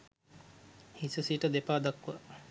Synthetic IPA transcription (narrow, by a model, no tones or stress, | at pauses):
hisɐsiʈɐd̪epaːd̪ɐkːɐ